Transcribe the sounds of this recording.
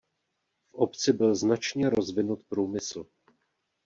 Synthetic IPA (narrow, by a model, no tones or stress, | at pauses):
fʔopt͡sɪbɪlznat͡ʃɲɛɾo̞zvɪnut̪̚pɾuːmɪsl̩